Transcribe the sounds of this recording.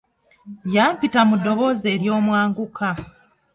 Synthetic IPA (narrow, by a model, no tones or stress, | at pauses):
jaːmpitamudo̞βo̞ze̞ːɾjo̞ːmwaːŋɡukʰa